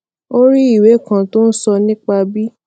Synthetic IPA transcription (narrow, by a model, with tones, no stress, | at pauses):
o˦ɾi˦i˦˨we˨˦˨kã˧to˦n̩˦sɔ˧nĩ˦k͡pa˧bi˦